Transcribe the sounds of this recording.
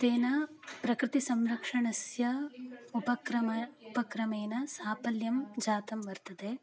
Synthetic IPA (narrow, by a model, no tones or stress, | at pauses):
t̪eːnɐ | pɾɐkɾɪt̪isɐmɾɐkʂɐɳɐsjɐupɐkɾɐmɐupɐkɾɐmeːnɐsaːpɐljɐmd͡ʒaːt̪ɐmʋɐɾt̪ɐd̪eː